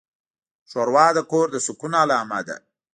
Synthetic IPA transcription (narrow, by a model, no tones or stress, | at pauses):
ʃoɾwɑːd̪əkoɾd̪əsʊkunalɑːmad̪a̰